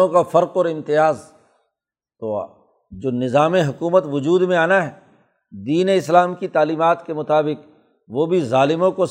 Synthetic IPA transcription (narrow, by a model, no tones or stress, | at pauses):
õkafɐɾqɔːɾɪ̃mt̪ɪjaːz | t̪oa̰ː | d͡ʒoːnɪzaːmeɦʊkuːmət̪ʋʊd͡ʒuːd̪mẽaːnaɦɛ | d̪iːneɪslaːmkit̪aːliːmaːt̪kemʊt̪aːbɪq | ʋobʱizaːlɪmõkos